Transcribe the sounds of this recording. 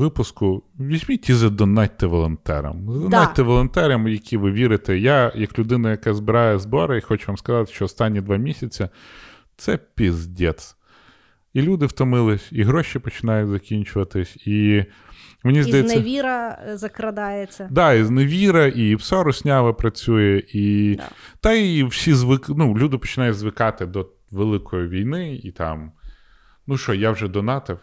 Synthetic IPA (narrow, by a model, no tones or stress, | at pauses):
ʋɪpʊskʊʋʲizʲmʲitʲizɐd̪ɔnɑt̪ːɪʋɔlˠɔnt̪ɛ̰ɾɐ̰mzɐdd̪ɔnɑt̪ːɪʋɔlˠɔnt̪ɛɾʲɐmjɐkʲiʋɪʋʲiɾɪt̪ɛjajɐklʲʊd̪ɪnɐjɐkɑzbɪɾɑjɛzbɔɾɐixɔt͡ʃʊʋɑmskɐzɑt̪ɪ̥ʃt͡ʃɔɔst̪ɑnʲːid̪ʋɑmʲisʲɐt͡sʲɐ | t̪sɛpʲizdʲɛt̪s | ilʲud̪ɪwt̪ɔmɪlˠɪsʲiɦɾɔʃipɔt͡ʃɪnɑjʊtʲzɐkʲinʲt͡ʃʊʋɐt̪ɪsʲi | mɔnʲizd̪ɐjɛnsːʋʲiɾɐzɐkɾɐd̪ɑjet͡sʲːɐd̪ɑizneʋʲiɾɐʔiwsɔɾʊsʲnʲɑʋɐpɾɐt͡sʲujɛʔi | t̪ɐiwsʲizʋɪknulʲud̪ɪpɔ̥t͡ʃɪnɑjʊzʋɪkɑt̪ɪd̪ɔ | ʋelˠɪkɔjiʋʲijnɪḭt̪ɑ̰m | nuʃɔjawʒɛd̪ɔnɑt̪ɐw